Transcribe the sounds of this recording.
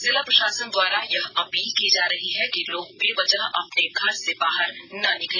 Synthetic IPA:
zɪlapɾɐʃaːsənd̪waːɾajɐɦɐpiːlkiːd͡ʒaːɾɐɦiɦɛkiloːɡ̚peʋɐd͡ʒəɦɐpneɡʱɐɾsebaːɦəɾnɐnɪkleː

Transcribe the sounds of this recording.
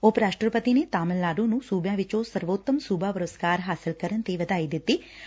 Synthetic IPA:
oːpɾaːsʈəɾpət̪ineːt̪aːməlːaːɾũːnũːsuːbjãːʋɪt͡ʃõːsəɾʋoːt̪ːəmsuːbaːpəɾəskaːɾɦaːsɪlkəɾənt̪eːʋəd̪aːiːd̪ɪt̪ːiː

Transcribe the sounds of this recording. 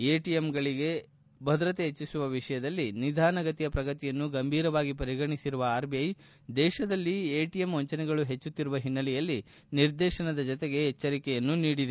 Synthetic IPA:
eːʈijemɡɐɭiɡe̞ | bʱɐd̪ɾɐt̪eɦet͡ʃːisuʋɐʋiʂɐjɐd̪ɐlːinid̪ʱaːnɐɡɐt̪ijɐpɾɐɡɐt̪ijɐnːuɡɐmbʱiːɾɐʋaːɡip̬ɐɾiɡɐɳisiɾuʋɐaːɾbijɐj | d̪ɛːʃɐd̪ɐlːieːʈijemʋɔɲt͡ʃɐnɛɡɐɭuɦe̞t͡ʃːut̪ːiɾuʋɐɦinːɐlɛjɐlːi | niɾd̪ɛːʃɐnɐd̪ɐd͡ʒɔt̪eɡe̞ɦɛt͡ʃːɐɾikɛjɐnːuniːɽid̪e

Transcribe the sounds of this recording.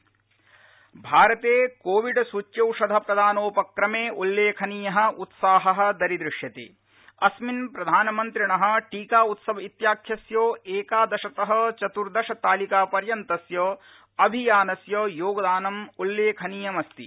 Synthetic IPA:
bʱaːɾɐt̪eːkoːʋiɖsut͡ʃjɐwʂɐd̪ʱɐpɾɐd̪ʱaːnoːpɐkɾɐmeːʔulːeːkʰɐniːjɐɦɐ̆ʔut̪saːɦɐɦɐ̆d̪ɐɾid̪ɾɪʂjɐt̪ḛː | ɐsminpɾɐd̪ʱaːnɐmɐnt̪ɾiɳɐɦɐ̆ʈiːkaːut̪sɐʋɐit̪jaːkʰjɐsjoːeːkaːd̪ɐʃɐt̪ɐɦɐ̆t͡ʃɐt̪uɾd̪ɐʃɐt̪aːlikaːpɐɾjɐnt̪ɐsjoː | ɐbʱijaːnɐsjoːjoːɡɐd̪aːnɐmulːeːkʰɐniːjɐmɐst̪ḭ

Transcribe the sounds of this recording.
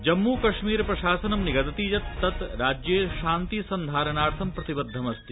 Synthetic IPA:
d͡ʒɐmːuːkɐʃmiːɾpɾɐʃaːsɐnɐmniɡɐt̪ɐt̪iːd͡ʒɐt̪ːɐt̪ɾaːd͡ʒjeːʃaːnt̪iːsɐnd̪ʱaːɾɐnaːɾt̪ʰɐmpɾɐt̪ibɐd̪ʱːɐmɐst̪i

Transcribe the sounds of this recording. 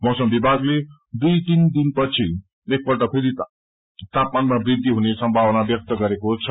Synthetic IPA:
mʌwsʌmbibʱaɡle | d̪ujt̪ind̪inpʌt͡sʰi | ek̚bʌɾʈʌkʰud̪i | t̪ap̚manmabɾid̪ʱːiɦunesʌmbʱawnabjʌk̚t̪ʌɡʌɾekot͡sʰʌ

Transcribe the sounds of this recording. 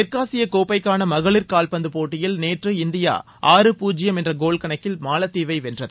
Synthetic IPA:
ɪɾkaːsɪjɐkoːpɐɪkːaːnɐmɐɣɐɭɪɾkaːlpɐnd̪ɯpoːʈːɪjɪlneːʈrɯɪnd̪ɪja̰ː | ʔaːɾɯpuːd͡ʒɪjɐmɛndrɐɡoːɭkɐɳɐkːɪlmaːlɐt̪ːiːʋɐɪʋɛndrɐðɯ

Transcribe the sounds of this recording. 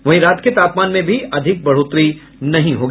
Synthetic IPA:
ʋɐɦĩɾaːt̪ket̪aːpmaːnmẽbʱiɐd̪ʱɪk̚bɐɽ̤oːt̪ɾi | nɐɦĩɦoːɡ

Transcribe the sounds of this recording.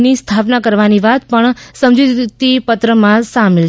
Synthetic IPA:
nist̪ʰapnakəɾʋaniʋat̪pəɳsəmd͡ʒit̪ipət̪ɾəmãsamel

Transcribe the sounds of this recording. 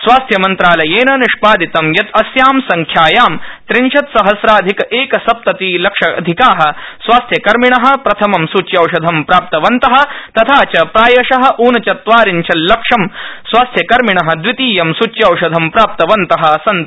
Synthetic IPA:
sʋaːst̪ʰjɐmɐnt̪ɾaːlɐjeːnɐniʂpaːd̪it̪ɐmjɐt̪ɐsjaːmsɐŋkʰjaːjaːmt̪ɾinʃɐt̪sɐɦɐsɾaːd̪ʱikɐʔeːkɐsɐp̚t̪ɐt̪iːlɐkʂɐɐ̰d̪ʱikaːɦɐ̆sʋaːst̪ʰjɐkɐɾmiɳɐɦɐ̆pɾɐt̪ʰɐmɐmsut͡ʃjɐwʂɐd̪ʱɐmpɾaːp̚t̪ɐʋɐnt̪ɐɦɐ̆t̪ɐt̪ʰaːt͡ʃɐpɾaːjɐʂɐɦɐ̆ʔuːnɐt͡ʃɐt̪ʋaːɾiɲt͡ʃʰɐllːɐkʂɐmsʋaːst̪ʰjɐkɐɾmiɳɐɦɐ̆d̪ʋit̪iːjɐmsut͡ʃjɐwʂɐd̪ʱɐmpɾaːp̚t̪ɐʋɐnt̪ɐɦɐɐsɐnt̪

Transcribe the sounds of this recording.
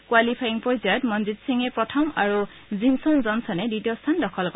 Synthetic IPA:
kwalipʰajiŋpɹɔzajɔtmɔnzitsiŋɛpɹɔtʰɔmaɹu | zinsɔŋzɔnsɔnɛditiɔstʰandɔkʰɔlk

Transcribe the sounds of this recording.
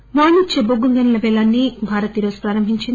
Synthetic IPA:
maːnit͡ʃeboɡuŋɡɐnɐlɐʋɛːlaːnːibʱaːɾɐt̪iɾoːsu̥pɾaːɾɐmbʱiɲt͡ʃind̪i

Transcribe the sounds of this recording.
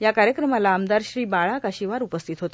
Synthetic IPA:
jakaɾjəkɾəmalaːmd̪aɾɕɾiːbaɭakaɕiʋaɾupəst̪ʰit̪ɦot̪e

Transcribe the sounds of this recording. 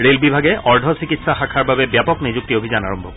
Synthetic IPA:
ɹelbibʱaɡɛʔɔɹdʱɔsikitsaxakʰaɹbabɛbjapɔknizuk̚tiobʱizana̰ɹɔmbʱɔ̰k

